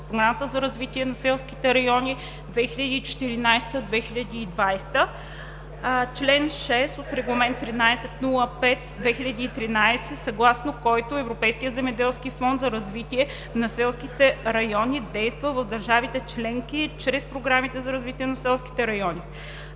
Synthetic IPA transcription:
pɾoɡɾamət̪əzɐɾɐzvit̪iɛnɐsɛlˠski̥t̪ɛɾɐjɔni | d̪vɛxilʲɐd̪iːt͡ʃɛ̥t̪iɾinajst̪əd̪vɛxiʎʲɐd̪iːd̪vajst̪ə | t͡ʃlɛnʃɛst̪ot̪ɾɛɡlˠɐmɛnt̪ːɾinajsɛt̪nulˠəpɛt̪d̪vɛxilʎʲɐd̪iːt̪ɾinajsɛsɐɡlˠasnokɔjt̪oɛvɾopɛjskijətd̪zɛmɛd̪ɛlˠskifɔnd̪zɐɾɐzvit̪iɛ | nɐsɛlˠskit̪ɛɾɐjɔnʲid̪ɛjst̪vəvɐfd̪ɐɾʒavit̪ɛt͡ʃlɛŋkit͡ʃɾɛspɾoɡɾamit̪ɛzɐɾɐzvit̪ʲiɛnɐsɛlˠski̥t̪ɛɾɐjɔni

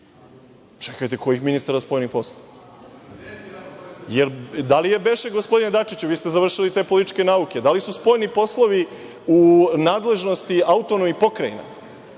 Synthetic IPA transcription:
t͡ʃekajt̪e̞ko̞jixminist̪aɾaspo̞jnixpo̞slˠo | jeɾd̪alije̞be̞ʃeɡospo̞d̪ined̪at͡ʃit͡ɕuʋiːst̪e̞zaʋr̩ʃilit̪e̞ːpo̞lit̪it͡ʃke̞naukʲed̪alisuspo̞jnipo̞slˠoʋi | unaːd̪le̞ʒno̞st̪iaut̪onomipo̞kɾajina̰

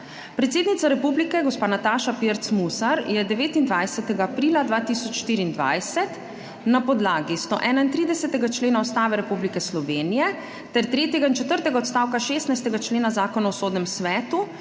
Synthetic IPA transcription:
pɾɛt̪seːd̪nit̪saɾɛpublikɛɡɔspaːnat̪aːʃapiɾt̪smusaɾjɛd̪ɛʋeːt̪ind̪ʋajsɛt̪ɛɡaːpɾiːlad̪ʋaːt̪isɔt͡ʃʃt̪iːɾiːnd̪ʋa̰jsɛt̪ | napɔd̪laːɡist̪oʔɛːnaint̪ɾiːd̪ɛsɛt̪ɛɡat͡ʃleːnaɔst̪aːʋɛɾɛpublikɛslɔʋeːnijɛ | t̪ɛɾt̪ɾeːt̪jɛɡaint͡ʃɛt̪əɾt̪ɛɡaɔt̪st̪aːwkaʃeːst̪najst̪ɛɡat͡ʃleːnazaːkɔnaɔsoːd̪nɛmsʋɛːt̪u

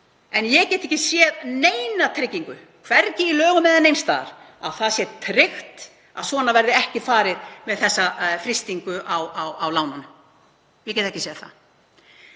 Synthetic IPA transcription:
ɛnjɛɣcɛːt̪ɛhcɪsjɛðneːjnat̪ʰɾɪcːiŋkʏ | kʰvɛɾcɪilœːɣʏmɛðanejnst̪a̰ːɾ̥ | awθaðsjɛt̪ʰɾɪxt̪ | a̰ðsvɔːnavɛɾðɪɛhcɪfaːɾɪðmɛðθɛsːafɾɪst̪iŋkʏʔawawawlaːwnan | jɛcɛːt̪ɛ̥cːɪsjɛðθa̰

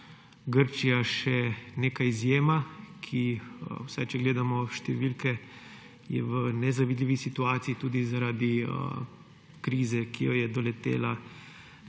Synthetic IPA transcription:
ɡəɾt͡ʃijaʃɛneːkajizjeːmakʰiwsajt͡ʃɛɡleːd̪amɔʃt̪ɛʋilkɛ | jɛ̰ʋənɛzaʋid̪lʲiːʋisit̪uaːt̪siːt̪uːd̪izaɾaːd̪i | kɾiːzɛkijɔjɛd̪ɔlɛt̪ḛːla

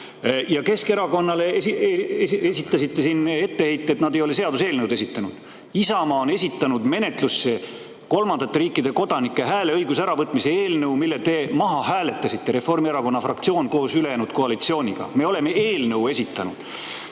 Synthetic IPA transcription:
jɑke̞ske̞ɾɑko̞nːɑle | eesʲit̪ˑːɑsit̪ːe̞sine̞t̪ːe̞he̞jt̪ˑːe̞t̪nɑd̪ejolese̞ɑd̪use̞ːlnəwd̪e̞s̬ʲit̪ːˑɑnud̪̥ | isɑmɑone̞s̬ʲit̪ːˑɑnud̪me̞ne̞t̪lusːe | ko̞lmɑnd̪ɑt̪ːe̞ɾiːkːˑid̪e̞ko̞d̪̥ɑnikːˑe̞ɦæːle̞ɤjɡusæɾɑvɤt̪ːˑmise̞eːlnəwmilːet̪e̞mɑɦɑɦæːle̞t̪ːˑɑsit̪ːe̞ɾe̞fːo̞rmieɾɑko̞nːɑfrɑkt̪sio̞ːnko̞ːsyle̞jæːnud̪̥̚ko̞ɑlit̪sio̞ːnʲiɡ̥ɑ̰me̞ːo̞le̞me̞e̞ːlnəwe̞sʲit̪ːˑɑnud̪̥

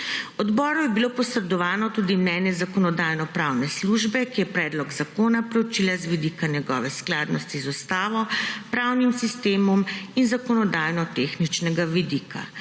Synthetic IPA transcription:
ɔd̪bɔːɾɔjɛbilopɔsɾɛd̪ɔʋaːnɔt̪uːd̪imnɛnjɛzakɔnɔd̪aːjnɔpɾawnɛsluʒbɛkijɛpɾɛːd̪lɔɡzakoːnapɾɛwt͡ʃilazʋid̪ikanjɛɡɔ̰ʋɛsklaːd̪nɔst̪izust̪aːʋɔpɾawnimsist̪eːmɔminzakɔnɔd̪aːjnɔt̪exnit͡ʃnɛɡaʋid̪ika̰

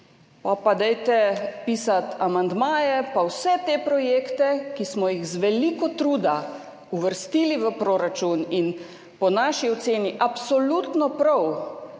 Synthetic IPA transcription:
apad̪ɛjt̪ɛpiːsat̪amand̪maːjɛpawsɛt̪eːpɾɔjeːkt̪ɛkismɔjixzʋɛlikɔt̪ɾuːd̪a | uʋəɾst̪iːliʋəpɾoːɾat͡ʃunin | pɔnaːʃiɔt̪seːniʔapsɔlut̪nɔpɾɐw

